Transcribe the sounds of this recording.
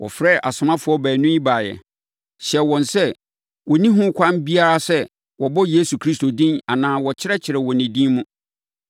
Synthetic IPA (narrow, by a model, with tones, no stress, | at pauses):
wʔɔ̰˨fɾɛ˦˨ʔa˨sʊ˨mã˦fʊ˨˦ɔ˦bæː˨nʊ̃˦i˦ba˨jɛ̰˨ | ɕɛ˨wɔ̃˨nsɛ˦ | wɔ˨nĩ˦ɦʊ̃˦kʷʰã˦nbi˦a˦ɾa˦sɛ˦ | wɔ˨bɔ˦je˦su˨kʰɾi˦sto˨dĩ˦na˨nãː˦wɔ˨t͡ɕʰɪ˦ɾɛ˦t͡ɕʰɪ˨ɾɛ˨wɔ˨nĩ˨dĩ˦mʊ̃˦